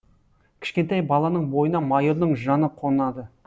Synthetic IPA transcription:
kʲʰɪ̥ʃkʲe̞nt̪ɑjbɑlˠɑnəɴbo̞jənɑmɑjəɾd̪əɴʒɑnəqʰo̞nɑd̪ə

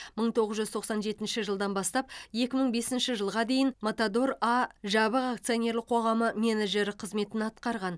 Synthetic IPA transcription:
məɴt̪ʰo̞ʁəzʒʏzt̪ʰoqsɑnʒe̞t̪ɪnʃɪʒəlˠd̪ɑnbɑst̪ɑp̚je̞kʲɪməɴbe̞sɪnʃɪʒəlˠʁɑd̪e̞jɪnmot̪ad̪o̞ɾɑʒɑβəʁakt̪sɨjonʲe̞ɾlˠɪqʰo̞ʁɑməmʲe̞naʒe̞ɾɪqʰəzme̞t̪ɪnɑt̪qɑɾʁɑn

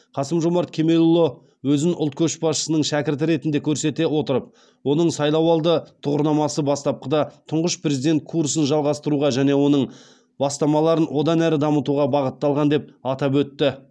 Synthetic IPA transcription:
qʰɑsəmʒomɑɾt̪kʲʰe̞me̞lˠolˠːo | wɵzɪnʔʊlˠt̪̚kʲʰɵʃbɑsʃə̥sənəɴʃækʲɪɾt̪ɪɾe̞t̪ɪnd̪e̞kʲʰɵɾse̞t̪e̞wo̞t̪əɾəp̚ | wo̞nəɴsɑjlˠɑwɑlˠd̪ət̪ʰʊʁəɾnɑmɑsəbɑst̪ɑp̚qəd̪ɑt̪ʰʊɴʁəʃpʰɾe̞zid̪e̞nt̪̚kʰuɾsənʒɑlˠʁɑst̪əɾuʁɑʒæne̞wo̞nəɴ | b̥ɑst̪ɑmɑlˠɑɾənwʔo̞d̪ɑnæɾɪd̪ɑmət̪uʁɑbɑʁət̪ːɑlˠʁɑnd̪e̞p̚ɑt̪ɑp̬wɵt̪ːɪ

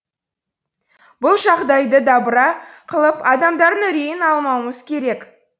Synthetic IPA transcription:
bʊlˠʒɑʁd̪ɑjd̪əd̪ɑbəɾɑqʰəlˠəpɑd̪ɑmd̪ɑɾənɵɾejɪnɑlˠmɑwəməzkʲʰe̞ɾe̞k

